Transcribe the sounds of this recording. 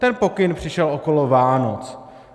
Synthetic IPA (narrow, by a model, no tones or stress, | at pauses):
t̪ɛnpo̞kɪnpr̝̥ɪʃɛlʔoko̞lovaːnot͡s